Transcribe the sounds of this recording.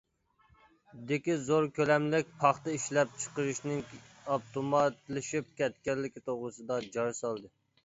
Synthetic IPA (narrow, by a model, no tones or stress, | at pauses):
d̪ɪkʲizoɾkʲʰølɛmlɪk̚ʲpʰɑχt̪ɛiʃlɛp̚t͡ʃʰə̥qəɾɨʃnɪŋ | ɑpt̪ʰomɑt̪lˠɪʃip̚kʲɛt̪kʲɛɾlɪkʲit̪ʰoʁɾɨsɨd̪ɑd͡ʒɑɾsɑlˠd̪ɨ